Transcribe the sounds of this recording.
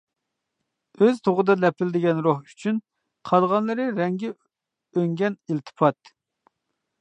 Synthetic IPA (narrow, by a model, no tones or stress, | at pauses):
øzt̪ʰoʁəd̪ɑlɛpʰɪlɪd̪ɪɡʲɛnɾohy̥t͡ʃʰyn | qʰɑlˠʁɑnlˠɨɾɨɾɛŋɡʲɛ | øŋɡʲɛnilt̪ʰɨ̥pʰɑt̪